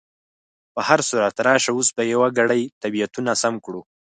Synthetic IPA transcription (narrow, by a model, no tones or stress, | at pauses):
pəhaɾsuɾat̪ɾɑʃawusbajawaɡaɽajt̪abijat̪unasamkɽu